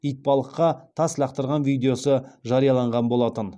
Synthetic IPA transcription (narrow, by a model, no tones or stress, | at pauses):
ijt̪̚pɑlˠəqːɑt̪ʰɑslɑq̚t̪əɾʁɑnvijd̪ʲe̞jo̞səʒɑɾijɑlˠɑɴʁɑnbo̞lˠɑt̪ən